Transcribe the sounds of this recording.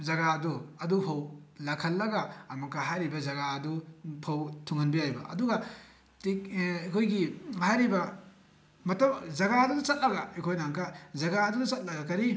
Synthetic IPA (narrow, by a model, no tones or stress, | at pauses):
zɐɡaɐduɐdupʰɐwlɐkʰɐlːɐɡaːmɐkːaɦajɾibɐzɐɡaɐdupʰɐwtʰuŋɐnbijajbɐ̰ʔɐ̰duɡɐ | tikɐkʰojɡihajɾibɐ | mɐtɐmd͡ʒɐɡaɐdudɐt͡ʃɐt̚lɐɡɐekʰojnaŋkazɐɡaːdudɐt͡ʃɐt̚lɐɡɐkɐɾi